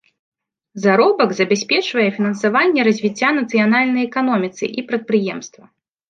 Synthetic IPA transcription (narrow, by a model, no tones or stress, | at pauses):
zaɾɔbɐɡzɐbʲasʲpʲɛt͡ʂvɐjɛfʲinɐnsavanʲːɛɾɐzʲvʲit͡sʲːanɐt̪sɨjanalʲnɐjɛkanɔmʲit̪sɨ̰ʔipɾɐt̪̚pɾɨjɛmst̪vɐ